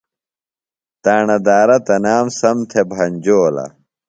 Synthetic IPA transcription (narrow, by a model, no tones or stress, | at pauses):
t̪aːɳɐd̪aːɾɐt̪ɐnaːmsɐmt̪ʰebʱɐɲd͡ʑoːlɐ̰